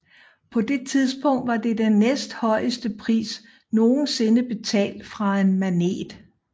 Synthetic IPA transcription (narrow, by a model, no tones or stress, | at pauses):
pʰɒ̽d̥e̝t͡sʰiðˠsb̥ɔ̽ŋ̰d̥ʋɑ̈d̥e̝d̥enːesd̥hɒ̽ɪəsd̥əpʰʁḭːs | no̝ːn̩se̝nəb̥e̝t͡sʰɛ̰ːld̥fʁɑ̈e̝nmæne̝̰ːd̥